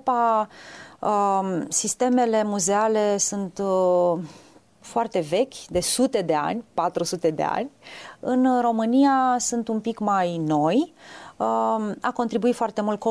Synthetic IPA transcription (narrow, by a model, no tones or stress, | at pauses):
pa | əsist̪e̞me̞le̞muze̞ale̞sunt̪ | foart̪e̞ve̞kʲd̪e̞sut̪e̞d̪e̞a̰nʲpat̪ɾusut̪e̞d̪e̞̰a̰nʲɨnro̞mɨnijasunt̪umpikmajno̞jəako̞nt̪ɾibuit̪foart̪e̞mult̪̚ko